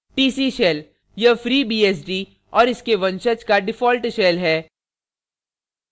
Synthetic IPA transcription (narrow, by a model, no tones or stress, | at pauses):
ʈiːsiːʃɛːl | jɐfɾiːbiːɛːs̬ɖiː | ɔːɾɪskeʋɐ̃nʃət͡ʃkaɖɪfɔːlʈʃɛːlɦɛː